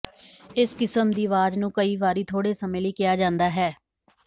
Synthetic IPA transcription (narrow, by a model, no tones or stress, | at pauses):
ɪskɪsəmd̪iːʋaːd͡ʒnũːkəiːʋaːɾiːt̪ʰoːɽeːsəmẽːliːkɪjaːd͡ʒãːnd̪aːɦɛː